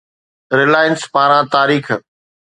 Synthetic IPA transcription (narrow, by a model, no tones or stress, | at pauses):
ɾɪlaːɪənspaːɾãːt̪aːɾiːxʰ